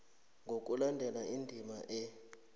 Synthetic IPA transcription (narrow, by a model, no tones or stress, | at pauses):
ŋɡʱok̬ʼulandʱɛlaindʱimaʔɛ